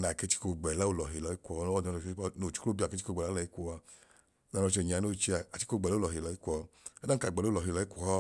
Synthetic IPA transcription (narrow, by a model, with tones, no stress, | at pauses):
na˨ke˦˧˦t͡ʃi̥˦ko˧ɡ͡bɛ˨la˦o˧lɔ˨ɦi˨lɔ˨˧i˦kʷɔ˧˦ɔ˦˨˧ɔ˧˨˧no˨t͡ʃi̥˦ko˦o˦bi˧a˨ke˦i˦ko˧˨ɡ͡bɛ˨a˦lɔ˧i˦kʷɔ˧a˧˦ | nɔ˧ɔ˧t͡ʃɛ˧˨ɲ˨a˨˧no˦˨t͡ʃi˧a˨a˨t͡ʃi˦o˧˨ɡ͡bɛ˨llɔ˨ɦi˨lɔ˨˧˦i˦kʷɔ˧ɛ˦da˦ka˨ɡ͡bɛ˨lo˦˨ɔ˨ɦi˧˨lɔ˨˧˦i˦kʷɔ˦hɔ˦˨